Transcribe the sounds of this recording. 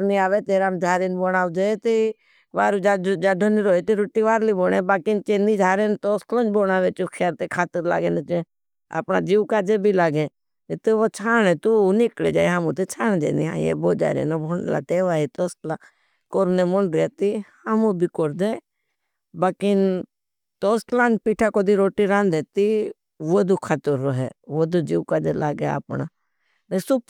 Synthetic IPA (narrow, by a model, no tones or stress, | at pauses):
ɾniaːʋet̪eːɾaːmd͡ʒʱaːɾenbɔnaːʋd͡ʒaet̪e | ʋaːɾud͡ʒad͡ʒaːɖʱəniɾoːet̪iɾuʈiʋaːɾliboːnẽːbaːkɪnt͡ʃeːnid͡ʒʱaːɾeːnt̪ost̪lõːnt͡ʃbonaːʋeːt͡ʃukʰɛːɾt̪ekʰaːt̪əɾla̰ːɡeːnet͡ʃe | a̰pna̰ːd͡ʒiːwkaːd͡ʒebʱilaːɡeː | et̪eːʋot͡ʃʰaːnẽːt̪uːnɪklḛːd͡ʒa̰ːjɦamũt̪et͡ʃʰaːñed͡ʒḛːnḭɦa̰jḛboːd͡ʒa̰ːɾḛːnobʱoɳla̰ːt̪eːʋaːit̪ost̪la | koɾnemolet̪ihəmũbʱikoɾd̪e | bakɪn | t̪oːstlãːnpiːʈʰakod̪iɾoːʈiɾãːnd̪eːt̪i | ʋod̪ukʰat̪əɾoɦɛʋod̪ud͡ʒiːʋkaːd͡ʒelaːɡea̰pna̰ | nesup